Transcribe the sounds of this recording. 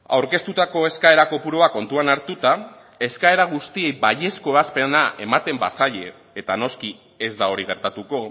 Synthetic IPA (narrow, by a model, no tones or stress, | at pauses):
awɾke̞st̪ut̪ako̞e̞skae̞ɾako̞puɾoako̞nt̪uanaɾt̪ut̪a | e̞skae̞ɾaɣ̞ust̪ie̞jbaʎe̞sko̞e̞βaspe̞naʔe̞mat̪e̞mbasaʎe̞ː | t̪ano̞ski | e̞zd̪ao̞ɾiɣ̞e̞ɾt̪at̪uko̞